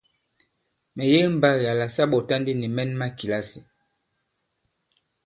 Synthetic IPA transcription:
mɛ˨je˦m̩˨ba˦ja˨la˨sa˦ɓɔ˨ta˦ndi˦ni˨mɛ˦nma˦ki˨la˦si˨

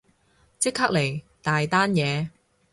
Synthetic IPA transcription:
t͡sɪ˥kʰːaː˥k̚le˨˩j | t̪aː˨jt̪aː˥njɛː˨˧

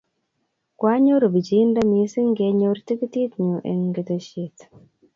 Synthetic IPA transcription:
kwa˦ɲo˦ɾbi˨d͡ʒi˦nda˦mi˨˦si˦ŋɡe˨˧˦ɲo˦ɾti˦ki˦ti˦tɲu˨ʔḛ˨ŋɡi˨tə˨ʃi˨t

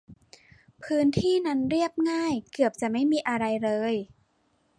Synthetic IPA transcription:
pʰɯː˦˥nt̪ʰiː˥˩na˦˥nɾi˥˩əp̚ŋaː˥˩jkɯ˨˩əp̚t͡ɕa˨˩ma˥˩jmiː˧ʔa˧ɾa˧jɾɤː˧j

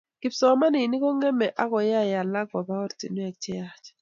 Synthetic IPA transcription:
kɪ˨psɔ˨˦ma˦ni˨ni˦kɔ˦ŋɛ˦mɛ˨ʔa˦kɔ˨ja˦ja˨la˦ɡa˨ba˦ɔ˦ɾti˨nwɛ˨k̚t͡ʃɛ˦ja˨t͡ʃɛ̥˨

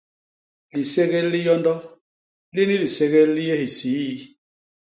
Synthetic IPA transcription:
li˨se˦ɣe˦lːi˦jɔ˦ndɔ˦ | li˦ni˦li˨se˦ɣe˦lli˦je˦hi˨siː˨˦ji˦

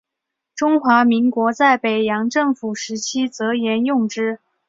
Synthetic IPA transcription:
ʈ͡ʂʊ˥ŋxwa˧˥mi˧˥ŋkwɔ˧˥t͡sa˥˩ɪpe˨˩ɪjɑ˧˥ŋʈ͡ʂɤ˥˩ŋfu˨˩ʂɻ̩˧˥t͡ɕʰi˥t͡sɤ˧˥jɛ˧˥njʊ˥˧ŋʈ͡ʂɻ̩˥

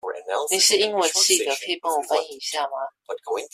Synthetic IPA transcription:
anni˨˩˦ʂɻ̩˥˧i˥ŋwe˨˩t͡ɕʰi˥˩d̪ə˨˩kʰɤ˥i˨˩pɑ˥˩ŋwɔ˨˩˦fa˥ni˨˩i˨˦ɕja˥˩ma˨˩

